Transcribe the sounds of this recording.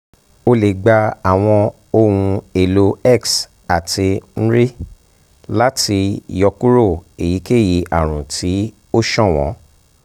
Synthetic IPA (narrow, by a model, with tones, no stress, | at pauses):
o˧le˨ɡ͡ba˧a˨w̃ɔ̃˧ | o˧wũ˧e˨lo˨˧ɛ˦˨ks | a˨tʰi˧ñ̩˦ɾi˦ | la˦ti˧jɔ˧ku˦ɾo˦˨e˨ji˨˦ke˦˨ji˨˧ʔa˨ɾ̃ũ˨tʰi˨˦ | o˦ʃɔ̃˦˨w̃ɔ̰̃˨˦